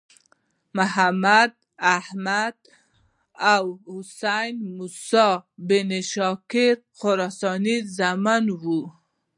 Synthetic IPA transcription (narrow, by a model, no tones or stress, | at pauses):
mʊhamad̪̚ | ahmad̪̚ | awhʊsajnmusɑbeneʃɑkɪɾ | qʊɾɑsɑnizamanwu